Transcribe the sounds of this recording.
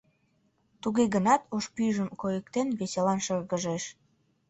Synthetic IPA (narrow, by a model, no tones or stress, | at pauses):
t̪uɣeɣənɑt̪oʃpyʒəmkojəkt̪enβeselɑnʃərɣəʒeʃ